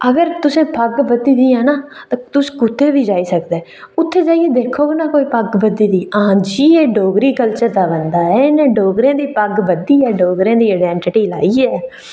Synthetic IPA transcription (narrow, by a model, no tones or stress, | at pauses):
əɡəɾt̪ʊsẽːpəɡʋəd̪iːd̪iːãːnaːt̪ãːt̪ʊskʊt̪ʰːeːʋiːd͡ʒaːiːsək̚d̪eː | ʊt̪ʰːeːd͡ʒaːiːeːd̪eːkʰoːnaːkoːiːpəɡʋəd̪iːd̪iːãːd͡ʒiːeːɖoːɡɾiːkəlt͡ʃəɾd̪aːbənd̪aːɛːnẽːɖoːɡɾẽːd̪iːpəɡʋəd̪iːɛːɖoːɡɾẽːd̪iːaːɖɛːɳʈɪʈiːla̰ːiːɛː